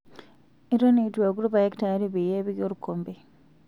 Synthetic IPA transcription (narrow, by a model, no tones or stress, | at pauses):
eɾonitwekuɾuβajektaɾiβijeːβiɣjoɾukombi